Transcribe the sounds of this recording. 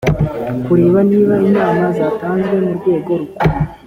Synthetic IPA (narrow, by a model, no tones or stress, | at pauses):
kuɾeːβaniːβainaːmazaːtaːnzɡwe̞muɾɡe̞ːɡo̞ɾuu